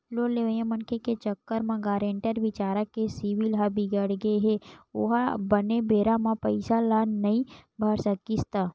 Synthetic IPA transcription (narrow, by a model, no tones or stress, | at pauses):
loleʋəjãmənkʰeket͡ʃəkːəɾmãɡaːɾẽːɳʈəɾʋɪt͡ʃaːɾəkːesiʋilɦabʱiɡəɽɡeɦeoɦabənebeːɾamãpəɪsalaːnːɐɦĩbʱəɾsəkist̪aː